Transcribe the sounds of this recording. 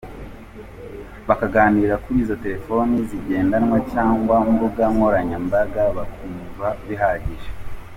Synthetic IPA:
βakaɡaːniːɾakuɾiːzo̞te̞ɾe̞fo̞niziɟe̞ːndanŋwacaːŋɡwamubuɡamŋoɾaɲambaɡaβakuːmvaβiɦaɟiʒe

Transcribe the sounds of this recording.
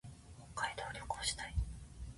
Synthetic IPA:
kokːaid̪o̞ːɾʲokɯ̥oɕi̥t̪ai

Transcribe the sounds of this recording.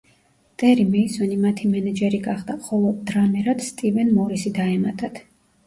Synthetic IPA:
t̪ʼɛɾimɛisɔnimat̪ʰimɛnɛd͡ʒɛɾiɡaχd̪aχɔlˠɔd̪ːɾamɛɾat̪st̪ʼivɛnmɔɾisid̪aɛma̰t̪ʼat̪ʰ

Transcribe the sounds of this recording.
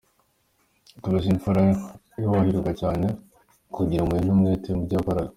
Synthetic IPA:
tuβaziɱfuɾa | jowahiɾuɡacaːne | kuɟiɾamuin̥umŋeːtemuɾɟakaɾaɡa

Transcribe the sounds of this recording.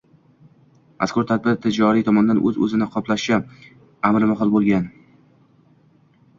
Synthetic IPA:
mʔa̰skʊɾt̪ʰad̪̚bɪɾt̪ʰɪd͡ʒɒɾit̪ʰɒmɒnd̪anʔɵ̰zɵ̰zɪnɪqʰɒplaʃʃa | amɾɪmaɦɨlˠbolˠɡʲan

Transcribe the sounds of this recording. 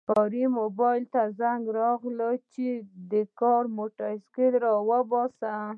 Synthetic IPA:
fɔɾimobɑjlt̪azaŋɡɾɑɣlət͡ʃed̪əkɑɾmoʈaskelɾɑwəbɑsa

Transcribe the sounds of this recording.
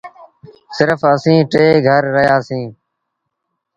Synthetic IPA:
sɪɾfəsĩːʈeːɡʱəɾːəɦjaːsĩː

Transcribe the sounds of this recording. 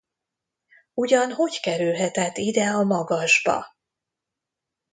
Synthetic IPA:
uɟɒnɦo̞ckɛɾylɦɛt̪ɛt̪ːid̪ɛɒmɒɡɒʒbɒ̰

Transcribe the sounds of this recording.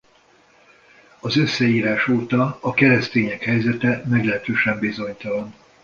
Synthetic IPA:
ɒzø̞sːɛiːɾaːʃoːt̪ɒɒkɛɾɛst̪eːɲɛkhɛjzɛt̪ɛmɛɡlɛɦɛt̪øːʃɛmbizo̞ɲt̪ɒlɒn

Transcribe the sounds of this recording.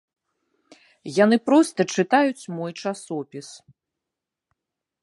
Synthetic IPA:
jan̪ɨpɾɔst̪ɐt͡ʂɨt̪ajut͡sʲmɔjt͡ʂasɔpʲis

